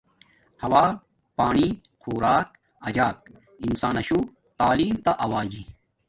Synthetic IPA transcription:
hɐwaː | paːɳi | kʰoːɾaːk̚ | ɐd͡ʑaːk̚ | insaːnɐɕu | t̪aːliːmt̪aʔɐwaːd͡ʑi

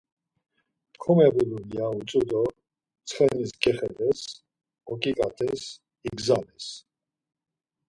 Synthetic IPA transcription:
χʰumɛbulunijaut͡sʼud̪ɔ | t͡sʰχɛniskʼɛχɛd̪ɛs | ɔkʼikʼat̪ʰʼɛs | iɡzanɛs

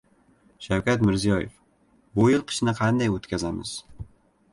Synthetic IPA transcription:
ʃawkʲat̪mɪɾzijɒjef | bʊjɪlˠqʰɨ̥ʃnɪqʰɑnd̪ajot̪kʲʰazamɪ̰z̥

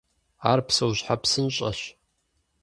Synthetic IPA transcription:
aːrpsɐwʑħapsɨnɕʼɐ̰ɕ

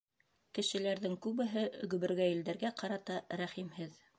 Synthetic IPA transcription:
kɘ̆ʃɘ̆læɾðɘŋkʉβɘ̆ɦɘʔɡɵ̆βɘ̆ɾɡæjĭld̪æɾɡæqɑɾɑt̪ɑɾæχimhɘð

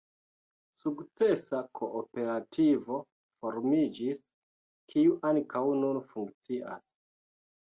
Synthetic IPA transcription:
sukt͡se̞sakʰo̞ʔːpe̞ɾatʰivo̞ | foɾmid͡ʒis | kʰiuʔankʰawnunfuŋkt͡siʔa̰s

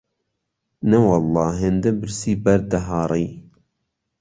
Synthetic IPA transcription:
nɛwɑlːɑːɦend̪ɛbɨɾsiːbɛɾd̪ɛɦɑːɾˤij

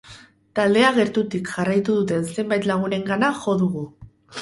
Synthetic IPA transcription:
t̪ald̪e̞aɣ̞e̞ɾt̪ut̪ikʝarajt̪uðut̪e̞nse̞mbajt̪laɣ̞une̞ŋɡanaʝo̞ðuɣu

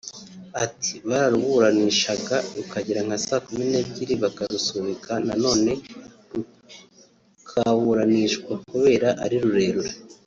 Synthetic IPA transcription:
atʰi̥βaɾaɾuβuɾaniʃaɡaɾukaɟiɾaŋ̥asaːkumine̞bɟiɾiβakaɾusuβikanano̞ːne̞ | ɾu | kʰawuɾaniʃkwakuβe̞ːɾaʔaɾiɾuɾe̞ːɾuɾe

